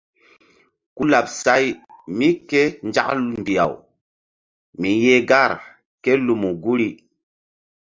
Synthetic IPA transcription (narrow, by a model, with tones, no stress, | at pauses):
ku˦la˨p̚sa˦jmi˦ke˦nd͡ʒa̰˦km˨bi˨a̰˨w | mi˨je˦ɡa˦˨ɾ | ke˦lu˨mu˨ɡu˦ɾi˦